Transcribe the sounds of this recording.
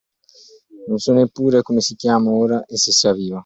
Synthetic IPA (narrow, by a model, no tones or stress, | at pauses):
nonsɔnːepːuːɾekomesikjaːmaoːɾaʔesisaviːva